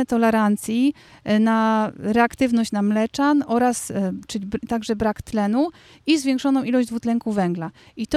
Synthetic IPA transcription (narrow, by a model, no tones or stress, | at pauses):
ɛt̪ɔlɛɾant̪sʲji | naɾɛakt̪ɘvnɔɕt͡ɕnamlɛt͡ʂanʔɔɾast͡ʂɘibt̪aɡʐɛbɾakt̪lɛnu | izvʲjɛ̃ŋkʂɔnɔ̃w̃ʔilɔʑd̪vut̪lɛŋkuvɛŋɡlait̪